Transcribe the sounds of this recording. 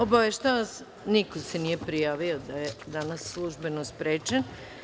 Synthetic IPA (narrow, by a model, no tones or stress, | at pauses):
o̞baʋeʃt̪aas | nikosenije̞pɾijaːʋio̞d̪ajed̪anasːlˠuʒbe̞nospɾeːt͡ʃen